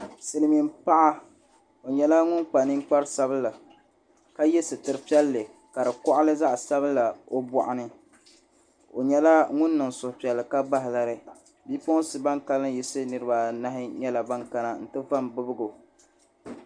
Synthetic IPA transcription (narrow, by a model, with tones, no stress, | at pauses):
sɨ˨lɨ˨mi˨mpa˦ʔa˦ | o˨ɲɛ˦la˦ŋʊ˦nk͡pa˨nɨ˦ŋ˦k͡pa˦ɾsa˦bɨ˦la˨ | ka˦jɛ˦sɨ˨tɨ˨ɾɨ˨pi˦ɛ˦lːɨ˨ | ka˨ɾɨ˨kɔ˦ʔa˦lɨ˦za˦ʔsa˦βɨ˦la˨o˦bɔ˨ʔa˨nɨ˦ | o˨ɲɛ˦la˦ŋʊ˦nː˦ɨ˨ŋ˨sʊ˨hʊ˨pi˨ɛ˨lːɨ˨ka˦ba˦ɦɪ˨la˨ɾɨ˦ | biː˦po˦sɨ˨ba˦ŋka˦lɨ˦ji˦sɨ˦nɨ˨˦ɾɨ˦ba˨na˦ɦɪ˦ɲɛ˦la˨ba˦ŋka˦na˨n̩˨tɨ˦va˦mbɨ˦bɨ˦ɡo˨